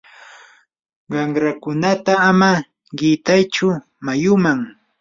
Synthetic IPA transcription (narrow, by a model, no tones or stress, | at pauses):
ɢɑŋɾakʊnat̪aːma | ɢɪt̪ajt͡ʃʊ | majʊmaŋ